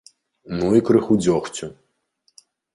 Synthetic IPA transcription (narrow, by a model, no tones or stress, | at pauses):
nuikɾɨxud͡zʲɔxt͡sʲu